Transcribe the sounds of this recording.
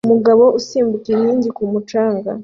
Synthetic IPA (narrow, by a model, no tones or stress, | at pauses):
umuɡaβo̞ʔusiːmbukeɲiːɲɟikumut͡ʃaːŋɡa̰